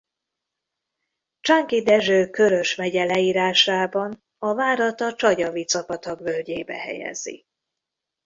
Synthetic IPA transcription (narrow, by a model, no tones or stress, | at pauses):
t͡ʃaŋkid̪ɛʒøːkø̞ɾø̞ʃmɛɟɛlɛiːɾaːʃaːbɒn | ɒvaːɾɒt̪ɒt͡ʃɒɟɒvit̪t͡sɒpɒt̪ɒɡvølɟeːbɛ̰hɛ̰jɛ̰zḭ